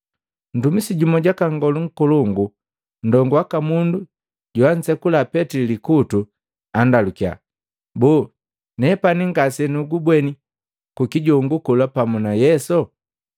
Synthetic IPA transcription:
n̩dumisiɟumɔɟakaŋɡɔluŋ̩kuluŋɡu | n̩dɔŋɡuwakamundu | ɟuan̩sɛkulapɛtilikutu | andalukia̰ | bu | nɛpaniŋɡasɛnuɡubwɛni | kukiɟɔŋɡukulapamunajɛsɔ

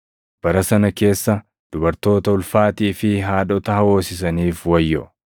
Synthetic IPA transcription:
b̥ɐɾɐsɐnɐke̞ːsːɐ | d̪̥ʊbɐɾt̪o̞ːt̪ɐʊlfaːt̪iːfɪɦaːᶑɔt̪ɐhɐwo̞ːsɪs̬ɐniːfwɐjːɔ̰

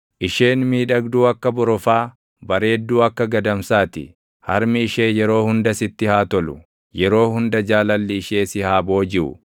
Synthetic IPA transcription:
ʔɪʃe̞ːnmiːᶑɐɡd̪uːɐkːɐbʊɾɔfaː | bɐɾe̞ːd̪ːuːɐkːɐɡɐd̪ɐmsaːt̪ɪ̰ | hɐɾmɪɪʃe̞ːjɛɾo̞ːhʊnd̪ɐsɪt̪ːɪhaːt̪ɔlʊ | jɛɾo̞ːhʊnd̪ɐd͡ʒaːlɐlːɪːʃeːsɪhaːbo̞ːd͡ʒɪʔʊ̰

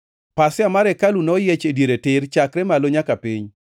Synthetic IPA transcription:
pasɪamaɾɛkalunɔjet͡ʃedjeɾetɪɾt͡ʃakɾɛmaloɲakapiɲ

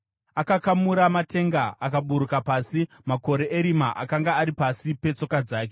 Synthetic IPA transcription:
akakamuɾamate̞ŋɡaakaɓuɾukapasi | mako̞ɾe̞ʔeɾimaʔa̰kaŋɡaːɾipasipe̞t͡so̞kad͡zaːke

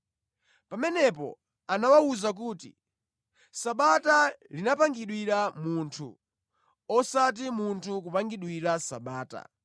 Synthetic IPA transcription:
pamɛnɛpɔ̰ | anawauzak̬uːtḭ | saɓatalinapaŋɡiɗwiɾamuntʰṵ | ɔsat̬imuntʰuk̬upaŋɡiɗwiɾasa̰ɓaːta̰

